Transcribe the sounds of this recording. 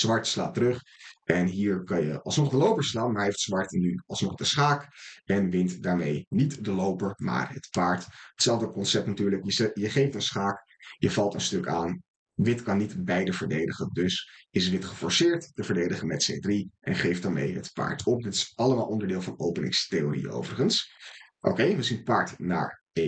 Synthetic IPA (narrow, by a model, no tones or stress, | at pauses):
z̥ʋɑɹtsla̰ːtərɵχ | ʔɛnɦiːɹkɑnjə̰ʔɑ̰lˠsnɔχdəlowpəɹslaːnmaɹɦejftsʋɑɹtnyɑ̰lˠsnɔχdəsχaːkɛnʋɪntdaːɹmejnitdəlowpəɹma̰ːɹɦə̰tpaːɹtətsɛlˠvdəkɔnsɛp̚tnatyːɹləkjəjəχejftənsχaːk | jəvɑlˠtənstɵka̰ːn | ʋɪtkɑnːitbɛjdəvəɹdejdəχəndɵsɪsʋɪtχəfɔɹsɪːɹtːəvəɹdejdəχəmɛtsḛdriʔɛ̰nχejfdaːɹmḛjɦə̰tpa̰ːɹtʰɔp̚dɪtɪ̥sɑləmaːlˠʔɔndəɹdɪːlˠvɑnowpənɪ̰ŋstejorḭo̰wvərəχənsʔo̰kejʋəzinətpaːɹtna̰ːɹ | e